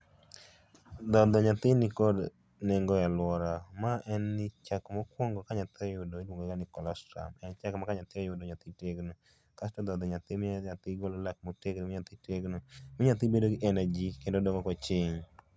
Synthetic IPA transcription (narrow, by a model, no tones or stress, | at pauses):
d̪ɔd̪ɔɲat̪ɪnɪkɔd | neŋɡɔjalwɔɾamaʔɛnːɪt͡ʃakmɔkwɔŋɡɔkaɲat̪ɪɔjʊdoidwoŋɡɔɡanɪkɔlɔstɾa̰mɛnt͡ʃakmakaɲat̪ɪɔjʊdɔɲat̪iteɡno | kastɔd̪ɔd̪ɔɲat̪ɪmɲat̪ɪɡolɔlak̚moteɡnimɪɲat̪iteɡnomɪɲat̪ɪbedoɡɪʔɛnad͡ʒikendodɔŋɔkɔt͡ʃɪɲ